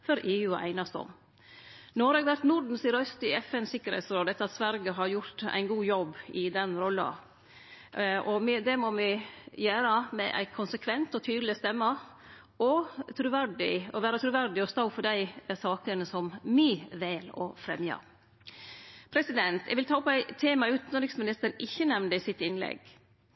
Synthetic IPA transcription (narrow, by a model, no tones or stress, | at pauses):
fɔɾʔeːʉːɔ̰ʔæ̰ɪnɑst̪ɔ̰m | nɔɾɛːɡʋæɾt̪nʊɾɖɳ̩sɪɾœst̪ʏɛfɛnsɪkːəɾhɛ̰t̪sɾoːd̪ɛt̪ːɑt̪sʋæɾɡəɦɑɾjʊɾt̪æ̰ɪnɡuːjɔbːɪd̪ɛnɾɔlːɑ̰ | ɔmɪd̪ɛmɔmɪjæːɾɑmɛ̰ʔæ̰ɪkʰʊnsəkʰʋɛnt̪ɔt̪ʰyːd̪lɪst̪ɛmːə | ɔt̪ʰɾʉʋæɾɖɪ̰ɔʋæːɾəɑt̪ʰɾʉʋæɾɖɪɔst̪ɑʊfɔɖæɪsɑːkənəsɔmmɪʋɛːlɔ̰fɾɛ̰mjɑ̰ | pʰɾɛsɪd̪ɛnt̪ɛɡʋɪlt̪ʰɑːpæɪt̪ʰeːmɑʉːt̪nɾɪŋsmɪnɪst̪əɾnɪçːənɛʋnd̪əɪsɪt̪ːɪnlɛ̰ɡ